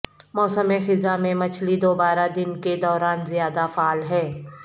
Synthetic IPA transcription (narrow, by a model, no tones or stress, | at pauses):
mɔːsəmexɪzamẽmɐt͡ʃʰlid̪oːbaːɾad̪ɪnked̪ɔːɾaːnzijaːd̪afaːlɦɛː